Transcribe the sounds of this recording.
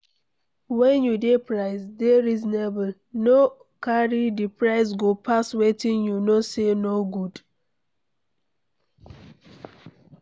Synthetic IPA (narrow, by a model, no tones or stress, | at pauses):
wɛ̃njudepɹaɪsdeɹiznebl̩ | no | kaɹidipɹaɪs̬ɡopʰaswetĩnjunosenoɡud